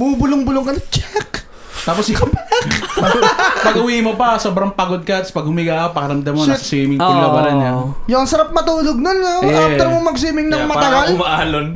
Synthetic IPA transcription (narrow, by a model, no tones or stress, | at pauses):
bubʊlʊŋbʊloŋkɐnɐt͡ʃɛk | t̪aːposɪkʰɐpɛkpɐpɐɡʊwiːmopɐsoːbɾɐŋpaɡod̪̚kɐt̪spɐɡ̚hʊmɪɡaːɐkopɐkɐɾɐmd̪ɐmːonɐsɐsiːmɪŋpʊŋlɐbɐɾɐnjajʊɐŋsɐɾap̚mɐt̪uːloɡ̚nonɐɛɐmoŋmɐɡ̚s̬iːmɪŋnɐŋmɐɐɡalʊmaʔaːlon